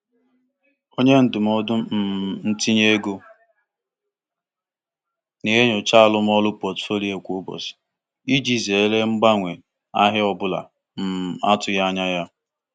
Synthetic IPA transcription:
o˦ɲe˦n̩˨dʊ˨m˦ɔ˦dʊ˦m̩˨n̩˦ti˦ɲe˦ɡo˦ | ne˨ɦe˦ɲo˨t͡ʃa˦˨lʊ˦m˦ɔ˦lʊ˦pɔ˨tfo˦li˨˦e˨kʷo˦bɔ̰˨s | i˦d͡ʒi˦ze˨e˦le˦ŋ͡m̩˦ɡ͡ba˦ŋʷe˨ | a̰˦ɦɪ˦ɔ˦bʊ˦la̰˨ | m̩˨a̰˦tʊ˨ja˦ɲa˦ja˦

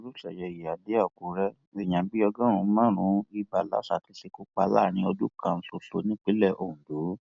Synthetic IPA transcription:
o˧ɾu˦ʃɛ˨jɛ˨ji˨a˨de˦a˦˨ku˨ɾɛ˦ | e˨j̃ã˨˦bi˦ɔ˧ɡã˦ɾũ˨˧˦mã˦˨ɾ̃ũ˨˦i˧ba˨la̰˨˦sa˨ti˨˦ʃe˧ko˦k͡pa˧la̰˦˨ñĩ˧˦o˧du˦kʰã˧n̩˧so˨so˨˦nĩ˦k͡pe˨˦lɛ˦˨ʔo˨ũ˨du˨˦

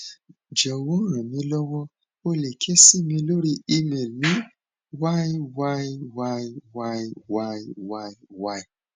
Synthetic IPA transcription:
d͡ʒɔ˨wɔ̃˦ɾã˨mĩ˧˦lɔ˦wɔ̃˦ | o˧le˨kʰe˦si˦˨mĩ˧lo˦ɾi˦i˧me˨lnĩ˨˦ | wa˦i˦wa˦i˦wa˦i˦wa˦i˦wa˦i˦wa˦i˦wa˦i˦˨

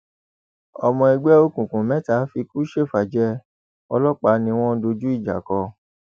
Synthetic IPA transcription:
ɔ˧mɔ̃˧ɛ˧ɡ͡bɛ˦o˧kũ˨kũ˨mɛ̃˨˦ta˨˦fi˧ku˦ʃe˦˨fa˨d͡ʒɛ˦ | ɔ˧lɔ˦k͡pa˧˦nĩ˧w̃ɔ̃˦do˧d͡ʒu˦i˦˨d͡ʒa̰˨kɔ˧

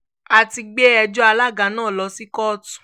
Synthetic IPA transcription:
a˨ti˧ɡ͡be˦ɛ˧d͡ʒɔ˦a˧la˦˨ɡa˨˦nãː˦˨lɔ˨˧si˦kɔ˦tũ̥˨

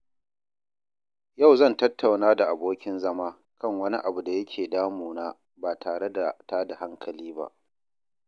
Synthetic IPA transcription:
ja˦˨wzɐ˦˨ntɐ˦tʰːa˨wnaː˦da˨ʔa˨boː˦kʲɪ˦nzɐ˦maː˦ | kɐ˦˨ŋwɐ˦ni˦ʔa˨bu˨da˨jɐ˦kʲʰeː˨daː˦muː˨naː˦ | baː˨tʰaː˨ɽe˦da˨taː˦da˨ha˦ŋkʰɐ˨liː˦ba̰˦ʔ

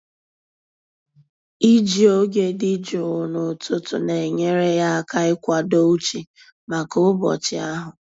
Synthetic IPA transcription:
i˦d͡ʒi˨o˦ɡe˦di˦d͡ʒo˨nʊ˨tʊ˦tʊ̰˨ne˨ɲe˦ɾe˦ja˦a˦ka˦ɪ˦kʷa˨do˦u˦t͡ʃi˨ | ma˨kʊ˦bɔ̰˨t͡ʃɪ˨˦a˦ɦʊ˨

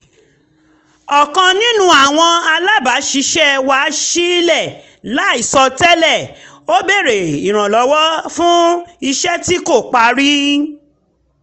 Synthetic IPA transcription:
ɔ˨kã˧nĩ˦nũ˦a˦˨w̃ɔ̃˧a˧la˦ba˨˦ʃi˧˦ʃɛ˦wa˨˦ʃi˦lɛ˦˨ | la˨˦i˦˨sɔ˧tɛ˦lɛ˦˨ | o˦be˦˨ɾe˨i˨ɾ̃ã˨lɔ˨˦wɔ˦fũ˦i˧ʃɛ˦ti˦ko˦˨k͡pa˧˦ɾi˦

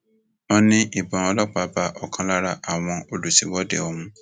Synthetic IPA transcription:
ɔ̃˦nĩ˦ʔi˦˨bɔ̃˨ɔ˧lɔ˦k͡pa˨˦ba˧˦ʔɔ˨kã˧la˦ɾa˦ʔa˨w̃ɔ̃˧o˨lu˨sĩ˨wɔ˦dḛ˨ɔ˨mũ˦

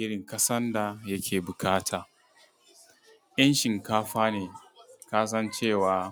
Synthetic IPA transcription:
ʔɪ˦ɽɪ˨ŋkɐ˦sɐ˦nda˨jɐ˦kʲʰeː˨bʊ˨kaː˦tʰaː˨ | jɐ˦nʃɪ˨ŋkaː˦ɸaː˦neː˨kaː˦s̬ɐ˦nt͡ʃeː˦˨waː˨

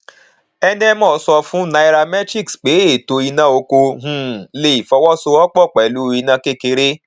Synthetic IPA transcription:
ɛ˦nɛ̃˦mɔ̃˦˨sɔ˧fũ˨˦na˧i˧ɾa˧mɛ˦t͡ʃi˦˨ksk͡pe˨˦e˦˨to˧i˧nã˦o˧ko˧ɦũ˦˨le˦i˨fɔ˧wɔ˦so˧ɔ˦k͡pɔ˦˨k͡pɛ˨lu˨˦i˧nã˧˦ke˦˨ke˧ɾe˦

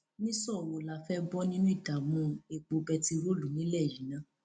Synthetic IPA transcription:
nĩ˦sɔ˦˨ɾo˨la˨fɛ˦bɔ˦nĩ˦nũ˦i˦˨da˨mũ˧e˨k͡po˧bɛ˧ti˧ɾo˦˨lu˨nĩ˨˦lɛ˦˨ji˨nã˨˦

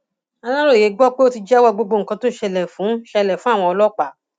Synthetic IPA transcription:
a˧la˦ɾo˦˨je˨˦ɡ͡bɔ˦k͡pe˦o˦ti˧d͡ʒɛ˦wɔ˧ɡ͡bo˧ɡ͡bo˧ŋ̩˨kã˧to˦˨ʃɛ˧lɛ˨fũ˨˦ʃɛ˧lɛ˨fũ˦a˦˨w̃ɔ̃˧ɔ˧lɔ˦k͡pa˦˨

